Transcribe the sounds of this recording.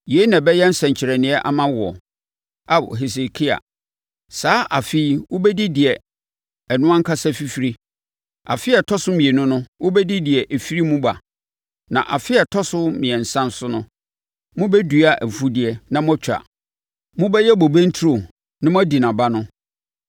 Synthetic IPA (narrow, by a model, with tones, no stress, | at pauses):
je˦nã˨bɛ˦jɛ˦n̩˦sɛ̃˨ɲ̩˨t͡ɕʰɪ˨ɾɛ˨nɪ̃˨˦ɛ˦ʔa̰˨mã˦wʊ˨ɔ̰˨ | a˨ɦe˨s̬e˨kʰi˦a̰˨ | saː˨˦ʔa˨fi˦i˦˨wʊ˦bɛ˦di˦dɪ˨ɛ˨ | ɛ˨nʊ̃˦ã˦ŋ̩˦kʰa˦sɛ˦fi˦fi˦ɾi˦ | a̰˨fɪ˦ɛ˨tʰɔ˦sʊ˦mĩ˨e˨nʊ̃˦nʊ̃˦wʊ˦bɛ˦di˦dɪ˨ɛ˨ʔe˨fi˦ɾi˦mũ˦ba˨ | nã̰˨ʔa˨fɪ˦ɛ˨tʰɔ˦sʊ˦mɪ̃˨ɛ̃˨n̩˨sã˦n˦sʊ˦nʊ̃˦ | mʊ̃˦bɛ˦du˨a˨ʔæ˨fu˦dɪ˨˦ɛ˦nã˦mʊ̃˦a˦t͡ɕʰᶣa̰˨ | mʊ̃˦bɛ˦jɛ˦bo˨bẽ˦n̩˦tʰu˦ɾo˨ | nã˦mʊ̃˦æ˦di˨nã˨ba˦nʊ̃˦